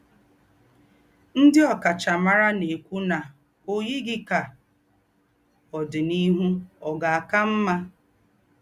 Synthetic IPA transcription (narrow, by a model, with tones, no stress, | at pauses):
n̩˦dɪ˦ɔ˨ka˨t͡ʃa˨ma˦ɾa˦ne˨kʷu˦na˨ | o˨ɲe˦ɡɪ˦ka˨ | ɔ˨dɪ˨ni˦ɦu˦ɔ˨ɡa˨a˨ka˦m̩˦ma˦